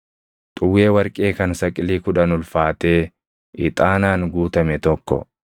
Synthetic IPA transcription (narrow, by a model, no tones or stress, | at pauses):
t̪ʼʊwːeːwɐɾkʼeːkɐnsɐkʼɪliːkʊᶑɐnʊlfaːt̪e̞ː | ʔɪt̪ʼaːnaːnɡuːt̪ɐmɛt̪ɔkːɔ̰